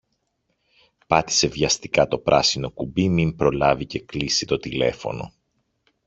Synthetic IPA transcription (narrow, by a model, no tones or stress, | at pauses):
pɐt̪i̥se̞vʝɐst̪ikɐt̪o̞pɾɐsino̞kubimimpɾo̞lɐvice̞klisit̪o̞t̪ile̞fo̞̰no̞̰